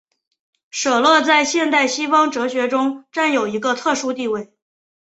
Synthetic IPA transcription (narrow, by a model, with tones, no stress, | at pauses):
ʂɤ˨˩lwɤ˥˧t͡sa˥˧ɪɕjɛ˥˧nt̪a˥˩ɪɕi˥fɑ˥ŋʈ͡ʂɤ˧˥ɕɥɛ˧˥ʈ͡ʂʊ˥ŋʈ͡ʂa˥˩njo˨˩ʊi˧˥ɡə˧t̪ʰɤ˥˩ʂu˥t̪i˥˧we˥˩ɪ